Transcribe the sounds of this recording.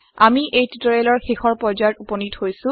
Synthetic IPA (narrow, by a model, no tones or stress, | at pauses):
amiʔejtutoɹelɔɹxexɔɹpɔzatupɔnithojsʊ̃